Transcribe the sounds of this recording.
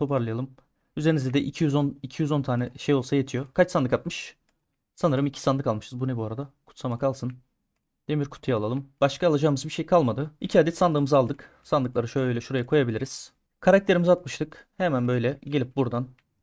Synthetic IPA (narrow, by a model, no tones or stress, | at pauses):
t̪ʰopaɾlˠɯjalˠɯm | yzeɾinizd̪ɛd̪ɛʔicʰijyzonicʰijyzo̞nt̪ʰaːnɛʃe̞jolˠsaje̞t̪ʰijo̞kʰat͡ʃsand̪ɯkat̪mɯʃ | sanɯɾɯmicʰi̥sand̪ɯkalˠmɯʃɯzbunɛbuaɾad̪akʰu̥t̪samakalˠsɯn | d̪̥emiɾkʰu̥t̪ʰujaalˠalˠɯmb̥aʃkaːlˠad͡ʒaːɯmɯzbiʃejkʰalˠmad̪ɯicʰiaːd̪ɛt̪sand̪ˠɯːmɯzalˠd̪ɯksand̪ˠɯklˠaɾɯʃøjøjlʲɛʃuɾajakʰo̞jabilʲiɾiz̥ | kʰaɾak̚t̪ʰe̞ɾimizat̪̚mɯʃt̪ʰɯkhemænbø̞jlʲɛɟe̞lʲip̚buɾd̪an